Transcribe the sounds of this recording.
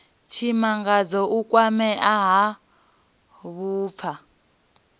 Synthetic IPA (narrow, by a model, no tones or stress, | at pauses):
t͡ʃʰimaŋɡad͡zɔʔukʼwamɛʔaɦa | βuːp̪fʰa